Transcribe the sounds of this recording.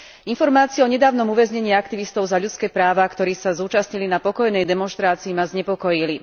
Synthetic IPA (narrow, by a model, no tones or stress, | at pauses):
infɔɾmaːt͡siɛɔɲɛd̪aːʊnɔmuʋɛzɲɛɲiːakt̪iʋist̪ɔʊzaʎut͡skɛːpɾaːʋakt̪ɔɾiːsazuːt͡ʃasɲilinapɔkɔjnɛjd̪ɛmɔnʃt̪ɾaːt͡siːmazɲɛpɔkɔjili